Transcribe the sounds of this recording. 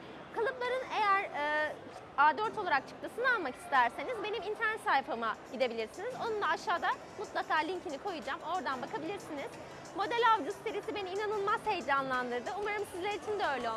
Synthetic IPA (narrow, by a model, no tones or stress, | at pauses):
kʰalˠɯplˠaɾɯne̞jæɾɯː | ad̪øɾt̪ʰo̞lˠaɾak̚t͡ʃʰɯ̥k̚t̪ʰasɯnɯalˠmaki̥st̪ʰæɾse̞nizbe̞nimint̪ʰæɾnɛt̪sajfamaɟid̪e̞bilʲiɾsinizo̞nund̪ˠaːʃaːd̪a | mut̪lˠakaːlʲiɲcʰinikʰo̞jɯd͡ʒamo̞ɾd̪anbakabilʲiɾsiniz̥ | mo̞d̪ælʲavd͡ʒust̪ʰeɾisibe̞niːnanɯlˠmazhejd͡ʒanlˠand̪ɯɾd̪ɯumaɾɯmsizlʲeɾit͡ʃʰind̪ɛø̞jlʲɛo